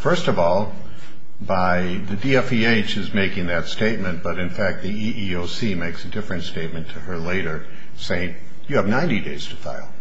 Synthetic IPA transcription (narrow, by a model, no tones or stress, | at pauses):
fɜ˞stʌvɔlˠ | baɪ | ðɨdiɛfieɪt͡ʃɨzmeɪkɪ̃ŋðɨtsteɪt̚mɨ̃nb̥ʌɾɨ̃nfæk̚t̪̚ðiiʔioʊsimeɪksɨdɪfɹɨ̃ntsteɪt̚mɨ̃ntʰɨə˞leɪɾə˞ | seɪɪ̃ŋ | jɨːvnãɪ̃ndideɪz̥tʰɨfa̰ɪlˠ